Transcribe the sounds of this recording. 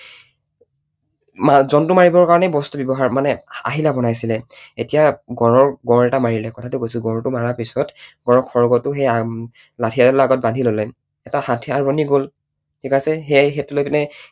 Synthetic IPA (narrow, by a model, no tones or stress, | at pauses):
mazɔntʊmaɹibɔɹkaɹɔnɛbɔstɔbjɔbɔɦaɹmanɛa̰ɦilabɔnajsilɛetijaɡɔɹɔɹɡɔ̃ɹɛtamaɹilɛkɔtʰatʊkojsʊɡɔ̃ɹtʊmaɹapisɔtɡɔɹɔkʰɔɹɡɔtʊxeja | latʰijadɔllaɡɔt̚bandʱilolɛ | ɛtahatʰiaɹbɔniɡol | tʰikasɛxexetulojpinɛ